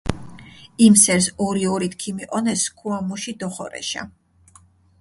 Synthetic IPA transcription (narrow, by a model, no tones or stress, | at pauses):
imsɛɾsɔɾiɔɾit̪ʰkʰimiqʼɔnɛskʰuamuʃid̪ɔχɔ̰ɾɛ̰ʃa̰